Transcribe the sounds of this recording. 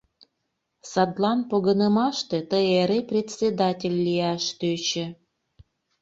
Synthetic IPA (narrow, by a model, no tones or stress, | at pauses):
sɑd̪lˠɑnpoɣənəmɑʃt̪et̪əeɾeprʲetʲt͡sʲed̪ɑtʲelʲːijɑʃt̪øt͡ɕĕ